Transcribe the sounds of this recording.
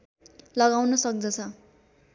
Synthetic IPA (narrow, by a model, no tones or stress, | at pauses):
lʌɡawnʌsʌk̚d͡zʌt͡sʰʌ